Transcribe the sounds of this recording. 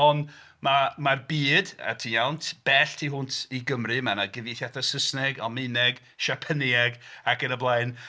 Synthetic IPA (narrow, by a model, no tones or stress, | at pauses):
ɔn | mamarbiːda̰tʰiːjawntʰb̥ɛɬtʰiɦʊntʰiɡəmrɨmanaɡɪviθjatasəsnɛɡamɪnɛɡ | ʃapʰəniɛɡakənəblˠajn